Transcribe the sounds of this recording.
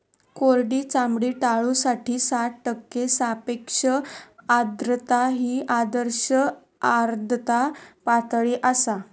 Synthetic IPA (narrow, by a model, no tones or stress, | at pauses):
koɾɖiːt͡samɽiːʈaɭusaʈiːsat̪ʈəkːesapekʂəad̪ɾət̪aɦiːʔad̪əɾɕə | aɾd̪ʱət̪apat̪ɭiʔasa